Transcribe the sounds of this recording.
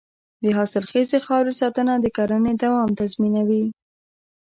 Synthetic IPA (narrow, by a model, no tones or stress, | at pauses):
d̪əɦɑsɪlxezexɑwɾesɑt̪ənad̪əkaɾaned̪awɑmt̪azminawi